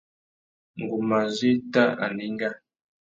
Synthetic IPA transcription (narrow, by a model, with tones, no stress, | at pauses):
ŋ˨ɡu˨ma˨zi˦ta˦a̰˨ni˦ŋ˦ɡa˦